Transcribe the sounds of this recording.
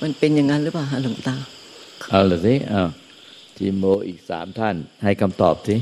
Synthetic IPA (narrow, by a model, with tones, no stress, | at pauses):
ma˧npe˧nja˧ŋa˧ɾɯː˦˥paː˨˩ɦa˧˥˨lo˨˦t̪aː˧ | ʔaː˧˩lɯː˨˩si˦˥ʔaː˧˩ | t̪ʰi˧˩moː˧ʔiː˨˩k̚sa̰ː˩˦mt̪ʰa˥˩nha˥˩jkʰa˧mt̪ɔ̰ː˨˩p̚si˦˥